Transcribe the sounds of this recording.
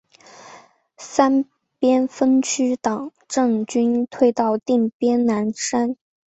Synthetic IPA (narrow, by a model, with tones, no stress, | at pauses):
sa˥n | pjɛ˥nfə˥nt͡ɕʰy˥t̪ɑ˨˩˦ŋ | ʈ͡ʂɤ˥˩ŋt͡ɕy˥nt̪ʰwe˥˧ɪt̪ɑ˥˧ʊt̪i˥˩ŋpjɛ˥nna˧˥nʂa˥n